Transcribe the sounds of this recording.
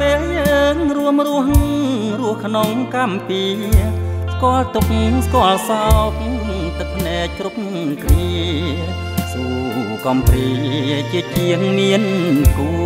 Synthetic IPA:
peːjəːŋruəmruəhrʊəhkʰnoŋkampiː | skŏəlt̪uk̚ŋskoəlsap̚t̪ɨk̚ʰneːt͡ɕrup̚ | kʰniə | suː | kɑmpriːt͡ɕiət͡ɕiəŋmiənku

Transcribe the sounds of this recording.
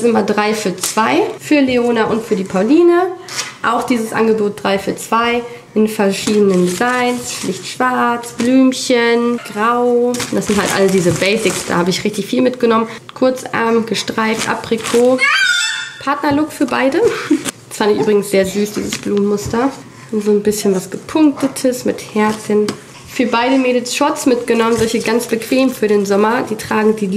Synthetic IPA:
sʔɪmɐdʁaɪfyːɐt͡sv̥aɪfyːɐleoːnaʔʊntfyːɐdiːpʰaʊliːnəʔa̰ʊxd̥iːzəsʔa̰nɡəboːt̚d̥ʁaɪfyːɐt͡sv̥aɪ | ʔɪnfɛɐʃiːdənənzaɪnsʃlɪçtʃv̥aɐt͡sb̥lyːmçənɡ̥ʁaʊʊnd̥asz̥ɪnthaltʔa̰ləsdiːzəbɛɪsɪksd̥a̰ːhaːbəɪçʁɪçtɪçfiːlmɪtɡ̥ənɔmən | kʰʊɐt͡sʔa̰ɐmɡ̥əʃtʁ̥aɪftʔa̰pʁ̥ekʰoː | pʰaɐtnɐlʊkfyːɐbaɪdə | sfandɪçʔyːbʁɪɡŋ̩sz̥eːɐzyːsd̥ḭːzəsb̥luːmmʊstɐ | zoːnbɪsçənvasɡ̥əpʰʊŋk̚tətʰəsmɪthɛɐt͡sən | fyːɐbaɪɾəmeːdl̩sʃɔsmɪtɡ̥ənɔmənzɔlçəɡant͡sb̥əkv̥eːmfyːɐɾeːnzɔmɐd̥iːtʁ̥aːɡŋ̩diː

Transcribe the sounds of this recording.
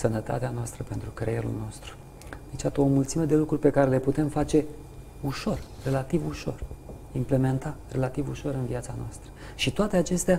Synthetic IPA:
sənət̪a̰t̪eanoast̪ɾəpe̞nt̪ɾukɾejelṵlno̞st̪ɾu̥ | d̪et͡ʃat̪omult̪simed̪e̞lukɾurʲpe̞kaɾe̞le̞put̪e̞mfat͡ʃe̞ | uʃo̞rre̞lat̪ivuʃo̞̰r | imple̞me̞nt̪are̞lat̪ivuʃo̞ɾɨnviat̪sanoast̪ɾə̥ʃit̪oat̪e̞at͡ʃe̞st̪ea

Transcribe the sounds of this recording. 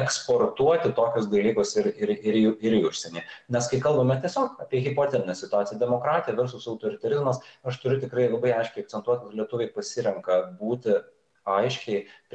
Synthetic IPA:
ɛkspoːrt̪uɔt̪ʲɪt̪oːkʲʊsd̪ɐlʲiːkʊsɪɾɪɾɪɾuɪɾiʊʃʲsʲɛnʲeːnʲɛskɐɪkɐlˠbɐmʲɛt̪ʲiɛsʲoːkɐːpʲiɛɣʲɪpoːt̪ʲɛɾʲɪnʲɛsʲɪt̪ʊɑːt̪ʲɪjɛd̪ʲɛmoːkɾɑːt̪ʲɪjɛʋʲɛɾsʊsɐʊt̪oːɾʲɪt̪ɐɾʲɪzmɐsɐʃt̪ʊɾʲʊt̪ʲɪkɾɐɪlˠɐbɐɪɐɪʃʲkʲɛɪɐkt̪t͡s̪ʲɛnt̪uɔt̪ʲkɐlʲiɛt̪ʊʋʲɛɪpɐsʲɪɾʲɛŋkɐbuːt̪ʲɪ | ɐɪʃʲkʲɛɪp

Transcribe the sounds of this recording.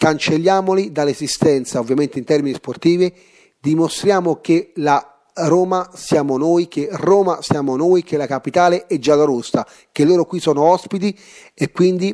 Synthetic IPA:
kant͡ʃelːjaːmolid̪alːezist̪ɛnt̪saovːjament̪eint̪ɛrminisport̪iːvi | d̪imost̪ɾjaːmokela | ɾoːmasjaːmonoːjk̟eroːmasjaːmonoːjk̟elakapit̪aːleʔɛd͡ʒːalaɾust̪a | k̟elːoːɾokwisɔːnoɔspit̪̬i | ekːwind̪i

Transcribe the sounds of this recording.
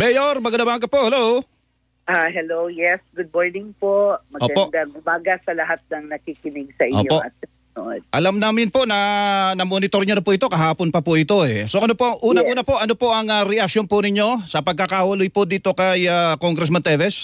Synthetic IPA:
mɛjoɾmɐɡɐd̪ɐbaːkɐpoʔhɛlow | ʔaɦɛlowjɛsɡʊd̪̚moɹnɪŋpoʔmɐʔoːɡɐpoʔd̪ɐŋʔʊmaːɡɐsɐlɐɦat̪̚nɐŋnɐkikɪnɪɡsɐʔɪʔo̰ːɲopoʔɐ̰t̪̚ɐ | noʔod̪̚ʔɐlamnaːmɪnpoʔnɐnɐmonɪt̪o̞ɾɲʊnɐpʊʔɪt̪o̞kɐɦaːponpɐpʊʔɪt̪o̞ɛso̞ʔɐnopoʔɐŋʔuːnɐuːnɐpoʔɐnopoʔɐŋɐɾɛʔɐk̚ʃjonpʊnɪɲo̞sɐpɐɡ̚kakawɐlʊjpod̪iːt̪o̞kɐjakoŋɡɾɛs̬mɐnt̪ɛvɛs

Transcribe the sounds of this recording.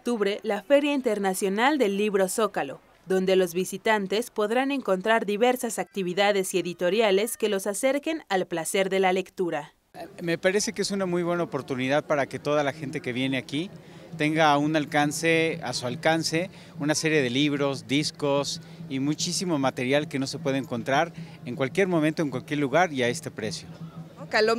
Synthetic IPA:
okt̪uβɾe̞lafe̞ɾjaint̪e̞ɾnasjo̞nald̪e̞lːiβɾo̞so̞kalo̞̰ | ðo̞nd̪e̞lo̞zβisit̪ant̪e̞spo̞ðɾane̞ŋko̞nt̪ɾaɾðiβe̞ɾsasak̚t̪iβ̞iðaðe̞sie̞ðit̪o̞ɾjale̞ske̞lo̞sase̞ɾke̞nalplase̞ɾðe̞lale̞kt̪uɾa | me̞paɾe̞se̞keesunamujβwe̞naopo̞ɾt̪uniðaðpaɾake̞t̪o̞ðalaxe̞nt̪e̞ke̞βje̞ne̞akit̪e̞ŋɡaunalkanse̞asualkanse̞ | unase̞ɾje̞ðe̞liβɾo̞zd̪isko̞s | imut͡ʃisimo̞mat̪e̞ɾjalke̞no̞se̞pwe̞ð̞eeŋko̞nt̪ɾaɾeŋkwalkje̞ɾmõ̞mẽnt̪o̞e̞ŋkwalkjeɾluɣaɾiae̞st̪e̞pɾe̞sjo̞kalo

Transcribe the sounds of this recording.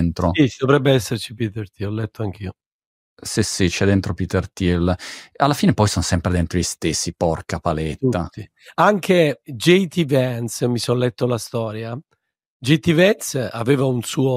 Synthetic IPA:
nt̪ɾosid̪ovɾɛbːeɛsːert͡ʃipit̪ert̪iɔlːɛt̪ːoaŋk̟ʰio | sisit͡ʃɛd̪ːent̪ɾopit̪ert̪ilalːafiːnepɔjsɔnsɛmpɾed̪ent̪ɾoʎist̪esːipɔrkapalɛt̪uːai | aŋk̟ʰed͡ʒejt̪ivɛnsmisɔlːɛt̪ːolast̪ɔːɾja | d͡ʒejt̪ivɛnsaveːvaunsuːo

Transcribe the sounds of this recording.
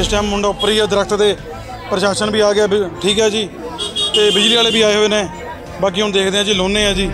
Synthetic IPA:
ɪsʈɛːmːʊɳɖaːpəɾiːaːd̪əɾəkʰt̪d̪eː | pɾəʃaːʃənbiːaːɡɪaːʈʰiːkɦɛːd͡ʒiːt̪eːbɪd͡ʒliːaːleːbiːaːeːɦoeːnẽː | baːk̬iːɦʊɳd̪eːkʰd̪eːɦãːd͡ʒiːloːneːãːd͡ʒiː

